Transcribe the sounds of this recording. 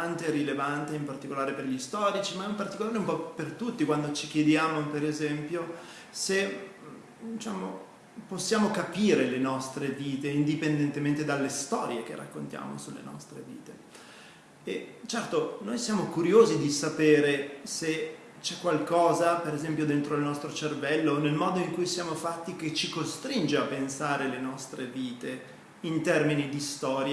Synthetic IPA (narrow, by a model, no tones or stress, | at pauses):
ant̪erilevant̪eimpart̪ikolaːɾeperʎist̪ɔːɾit͡ʃimaɛimpart̪ikolaːɾeumpɔpːert̪ut̪ːikwand̪ot͡ʃikjed̪jaːmopeɾezɛmpjo | se | d̪it͡ʃaːmo̰ | posːjaːmokapiːɾelenɔst̪ɾeviːt̪eind̪ipend̪ent̪ement̪ed̪alːest̪ɔ̰ːɾjek̟ḛrːa̰kːont̪ja̰ːmo̰sulːḛnɔ̰st̪ɾevḭːt̪e | et͡ʃɛrt̪onojsjaːmokuɾjoːzid̪isapeːɾese | t͡ʃɛkːwalkɔːzapeɾezɛmpjod̪ent̪ɾoilnɔst̪ɾot͡ʃervɛlːonelmɔːd̪oiŋkujsjaːmofat̪ːiket͡ʃikost̪ɾind͡ʒeapːensaːɾelenɔst̪ɾeviːt̪e | int̪ɛrminid̪ist̪ɔːɾj